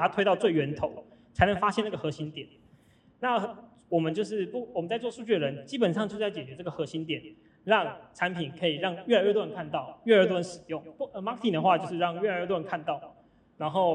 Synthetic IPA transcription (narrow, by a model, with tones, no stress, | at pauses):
a˥t̪ʰwe˥ɪt̪ɑ˥˧ʊt͡swe˥˩ɪɥɛ˧˥nt̪ʰo˨˦ʊ | t͡sʰa˧˥nə˧˩ŋfa˥ɕjɛ˥˧na˥˩ɡə˨xɤ˧˥˦ɕi˧˥nt̪jɛ˨˩˦n | na˥˩ | wɔ˨˩mə˦nt͡ɕjo˥˧ʊʂ̬ɻ̩˥˩pu˥˩wɔ˨˩mə˨˦nt͡sa˥˧ɪt͡swɔ˥˧ʂu˥˧t͡ɕy˥˩ə˩ɻə˧˦nt͡ɕi˦˥pə˨˩nʂɑ˥˧ŋt͡ɕo˥˧ʊ˥a˥˩t͡ɕɛ˨˩t͡ɕɥɛ˧˥ʈ͡ʂa˥˩ɡə˩xɤ˧˥ɕi˧˥nt̪jɛ˨˩˦n | ɻɑ˥˩ŋʈ͡ʂʰa˧˥npʰi˨˩nkʰɤ˧˥i˨˩ɻɑ˥˧ŋɥɛ˥˩a˧ɪɥɛ˥˩t̪wa˥˧nkʰa˥˧nt̪ɑ˥˩ʊɥɛ˥˧ə˞˧˥t̪wnʂɻ̩˨˩jʊ˥˩ŋpu˥˩ə˧˩ma˥k̚t̪ʰi˨˩d̪ə˩xwa˥˧t͡ɕjo˥˧ʊʂ̬ɻ̩˥˧ɻɑ˥˧ŋɥɛ˥˩a˨˧˦ɥɛ˥˧˩t̪wnkʰa˥˧nt̪ɑ˥˩ʊ | na˧˦nxo˥˧ʊ